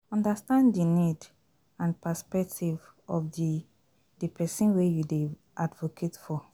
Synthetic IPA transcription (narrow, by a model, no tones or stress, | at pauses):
ɔ̃ndastãndinid | ãnpɛspɛk̚tʰiv | ɔfdi | dipʰɛsĩnwejude | ʔadvokʰetfɔ